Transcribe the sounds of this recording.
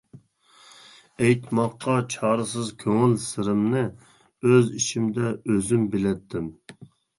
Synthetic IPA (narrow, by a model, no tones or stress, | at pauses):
ɛjt̪mɑqːɑt͡ʃʰɑːɾɨsɨzkʲʰøŋɪlsɪɾɪmnɨ | øziʃimd̪ɛøzymbɪlɛt̪ʰːɪm